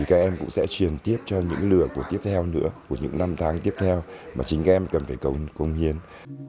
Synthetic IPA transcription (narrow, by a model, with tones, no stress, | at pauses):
i˨˩kaː˦˥k̚ʔɛ˧mkʊ̰˧˥ŋ͡msɛ̰˧˥t͡ɕwi˨˩ənt̪i˦˥əp̚t͡ɕɔ˧ɲɨ̰˧˥ŋklɨ˨˧˩əku˧˩ət̪i˦˥əp̚t̪ʰɛ˧wnɨ̰˧˥əku˧˩əɲɨ̰˧˥ŋna˧mt̪ʰaː˨˦ŋt̪i˦˥əp̚t̪ʰɛ˧wmaː˨˩t͡ɕï˨˦ŋkaː˦˥k̚ʔɛ˧mkə˨˩nfaː˧˩jkə˧˩wkə˧˩wŋ͡mhi˨˧˩ən